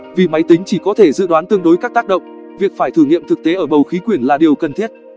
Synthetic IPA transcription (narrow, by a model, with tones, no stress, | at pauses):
vi˨˩ma˨˦jt̪ï˨˦ŋ̟t͡ɕi˧˩kɔ˨˦t̪ʰe˧˩zɨ̰˧˨ɗwaː˨˦nt̪ɨ˧əŋɗo˨˦jkaː˦˥k̚t̪ːk̚ɗə̰˧˨wŋ͡m | vi˨˩ək̚faː˧˩jt̪ʰɨ˧˩ŋḭ˧˨mt̪ʰɨ˨˩k̚t̪e˨˦ʔəː˧˩ɓə˨˩wxi˨˦kwi˧˩ənlaː˨˩ɗi˨˩əwkə˨˩nt̪ʰi˦˥ət̚